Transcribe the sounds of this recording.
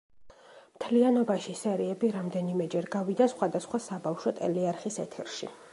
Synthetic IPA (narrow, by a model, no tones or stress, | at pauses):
mt̪ʰlianɔbaʃisɛɾiɛbiɾamd̪ɛnimɛd͡ʒɛɾɡavid̪asχwad̪asχwasabafʃɔt̪ʼɛ̰liaɾχisɛt̪ʰɛɾʃḭ